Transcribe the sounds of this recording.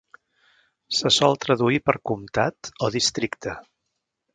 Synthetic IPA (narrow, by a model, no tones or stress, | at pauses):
səsɔlˠt̪ɾəðuipəɾkumt̪at̪oðist̪ɾikt̪ə